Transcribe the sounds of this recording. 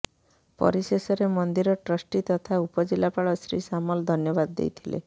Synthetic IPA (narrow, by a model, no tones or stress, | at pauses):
pɔ̰ɾisesɔɾemɔnd̪iɾɔʈɾɔsʈit̪ɔt̪ʰaupɔd͡ʒilapaɭɔsɾḭsamɔld̪ʱɔnjɔbad̪ːḛjt̪ʰilḛ